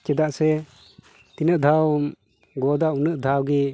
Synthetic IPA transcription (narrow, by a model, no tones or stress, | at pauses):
t͡ʃɛd̪aʔsɛ | t̪inəʔd̪ʱaw | ɡɔd̪aunəʔd̪ʱawɡi